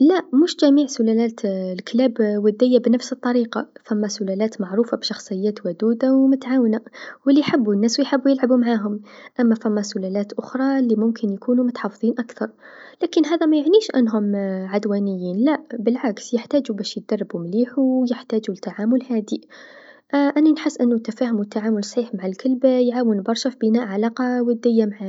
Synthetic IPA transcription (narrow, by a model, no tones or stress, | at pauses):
læmuʃd͡ʒæmiːʕsʊlælæːt̪lklæːbwʊd̪ːɪjːabnəfsət̪ˤːɑɾiːqɑfæmːasʊlælæːt̪mɑʕɾuːfabʃɑxsˤɨjːæːt̪wʊd̪uːd̪awmʊt̪ʕaːwnawəlːiħəbːunːæːswjħəbːujəlʕabumaʕaːɦʊmʔæmːæfæmːasʊlælæːt̪ʔʊxɾˤɑlːimʊmkʰɪnjkuːnumʊt̪ħɑfðˤiːnʔakθɑɾˤ | laːkɪnɦaːðæmæjaʕniːʃʔa̰nːɦʊmʕad̪waːnɪjːiːnlaʔbɪlʕaksjɪħt̪aːd͡ʒubæːʃj̚d̪ɑrˤːɑbumliːħuwjɪħt̪aːd͡ʒut̪ːaʕaːmʊlhaːd̪i | ʔʔananħɪsːʔɪnːʊt̪ːafaːhʊmwt̪ːaʕaːmʊlsˤħiːħmaʕalkalbajʕaːwənbɑɾˤʃafibɪnaːʔʕalaːqɑwɪd̪ːɪjːamaʕaː